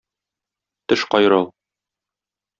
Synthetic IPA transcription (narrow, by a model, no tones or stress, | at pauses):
t̪ɘʃqɒjɾɤlˠ